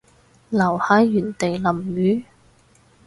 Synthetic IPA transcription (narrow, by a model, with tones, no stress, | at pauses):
lɐ˨˩whaː˨˥jjyː˨˩nt̪e˨jlɐ˨˩mjyː˨˥